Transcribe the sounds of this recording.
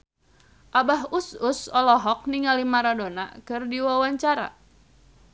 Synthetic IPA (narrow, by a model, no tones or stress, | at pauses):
ʔabaɦusʊsɔlɔɦɔk̚niŋalimaɾadona̰kɨrdiwawaɲt͡ʃaɾa̰